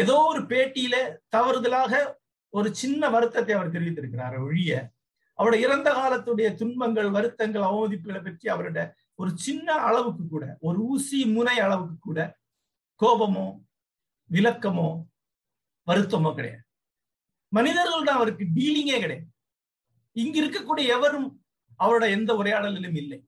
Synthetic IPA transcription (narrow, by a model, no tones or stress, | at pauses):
ɛðoːɔɾɯpeːʈːɪjɪlet̪ɐʋɐɾɯðɐlaːɣɐ | ɔɾɯt͡ʃɪnːɐʋɐɾɯt̪ːɐt̪ːɐɪɐʋɐɾt̪ɛɾɯʋɪt̪ːɪɾɯkːɪɾa̰ːɾɔɻɪjɐ | ʔɐʋɐɽɐɪɾɐnd̪ɐɣaːlɐt̪ːɯɽɐjɐt̪ʊɳbɐŋɡɐɭʋɐɾɯt̪ːɐŋɡɐɭɐʋɐmɐðɪpːɯɣɐɭɐpːɐʈriɐʋɐɾɯɽɐ | ɔɾɯt͡ʃɪnːɐɐɭɐʋɯkːɯkːuːɽɐ̰ʔɔɾɯuːsimʊnɐɪɐɭɐʋɯkːɯkːuːɽɐ | koːʋɐmõː | ʋɪlɐkːɐmõː | ʋɐɾɯt̪ːɐmõːkɪɽɐ̰ja̰ː | mɐnɪðɐɾɣɐɭt̪ãːɐʋɐɾɯkːɯɖiːlɪŋɡeːkɪɽɐja | ɪŋɡɪɾɯkːɐkːuːɽijɐɛʋɐɾɯm | ɐʋɐɾɯɽɐɛnd̪ɐɔɾɐjaːɽɐlɪlɯmɪlːɐɪ